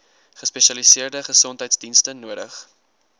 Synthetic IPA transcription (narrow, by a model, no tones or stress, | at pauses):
χəspeʃɐlisiərdəχəsɔntɦɛjtsdinstənuəɾə̰χ